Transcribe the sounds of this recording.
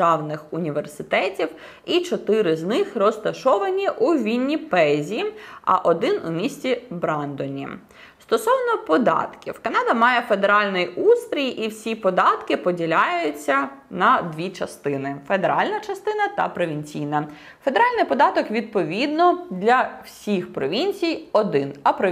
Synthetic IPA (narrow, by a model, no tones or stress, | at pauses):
ɑwnɪxʊnʲiʋersɪt̪ɛtʲiw | it͡ʃɔt̪ɪɾɪznɪxrɔst̪ɐʃɔʋɐnʲiʔuʋʲinʲːipɛzʲiɐ̰ʔɔd̪ɪnʊmʲisʲtʲibɾɑnd̪ɔnʲḭ | st̪ɔsɔwnɔpɔd̪ɑ̰t̪kʲḭwkɐnɑd̪ɐmɑjɛfe̞d̪eɾɑlʲnɪjust̪ɾʲijʔiwsʲipɔd̪ɑt̪kɪpɔdʲilʲajʊjʊt͡sʲːɐnɐd̪ʋʲit͡ʃɐst̪ɪnɪfed̪eɾɑlʲnɐt͡ʃɐst̪ɪnɐt̪ɐ̰pɾɔʋʲinʲt͡sʲijnɐ | fe̞d̪eɾɑlʲnɪjpɔd̪ɑt̪ɔkʋʲid̪̚pɔʋʲid̪nɔd̪lʲɐwsʲixpɾɔʋʲinʲt͡sʲijɔd̪ɪnɐpɾɔ